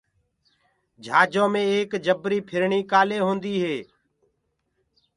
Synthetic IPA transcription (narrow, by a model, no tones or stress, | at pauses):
d͡ʒʱaːd͡ʒõːmẽːeːkd͡ʒəbɾiːpʰɪɾɳiːkaːleːɦoːnd̪iːɦeː